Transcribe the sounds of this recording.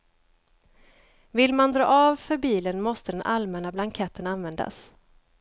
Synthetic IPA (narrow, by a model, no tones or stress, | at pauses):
vɪlmand̪ɾɑ̰ːɑːvfœɾbiːlənmɔst̪əd̪ɛnʔalmɛnablaŋkʰɛt̪ʰːənanvɛnd̪a̰s